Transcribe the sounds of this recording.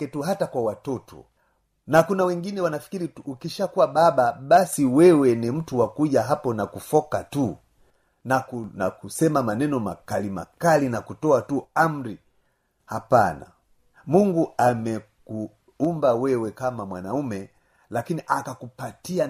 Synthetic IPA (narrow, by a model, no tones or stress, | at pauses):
ɛtuɦatakwawatɔtɔ̰ | nakunawɛŋɡinɛwanafi̥kiɾiuːkiʃakuwaɓaɓaɓasiwɛwɛnim̩tuwakuʄaɦapɔnakufɔkatu | nakunakusɛmamanɛnɔmakalima̰kalinakutɔatuam̩ɾi | hapana̰ | muŋɡuamɛku | umbawɛwɛkamamwanaumɛ | lakiniʔakakupatia